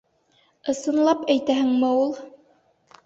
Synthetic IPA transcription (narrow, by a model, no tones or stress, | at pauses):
ɤ̆sɤ̆nlˠɑpæjt̪æhɘŋmɘulˠ